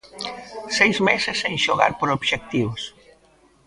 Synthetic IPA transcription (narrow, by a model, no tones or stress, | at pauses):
sejzmesɪseŋʃoɣa̰ɾpoɾoβʃek̚t̪iβos